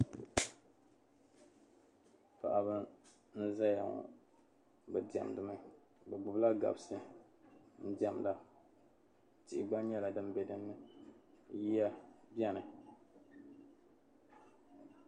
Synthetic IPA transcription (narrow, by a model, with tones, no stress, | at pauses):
pa̰˨ʔa˨βɨ˦ | n̩˦za˦ja˨ŋɔ̰˨ | bɛ˨di˨a̰˨m˨dɨ˨ma˦˨ | bɛ˨ɡ͡bʊ˨bla˦ɡa̰˨bsɨ˦ | n̩˦di˨ɛ˨mda˦ | ti˨ʔɪ˨ɡ͡ba˦ɲɛ˦la˨dɨ˦mbɛ˨dɨ˦nːɨ˦ | ji˦a˦bjɛ˦nɨ˨